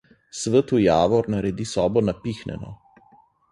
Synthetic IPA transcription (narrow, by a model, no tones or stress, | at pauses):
sʋət̪ujaːʋɔɾnaɾɛd̪isɔːbɔnapixnɛ̰nɔ̰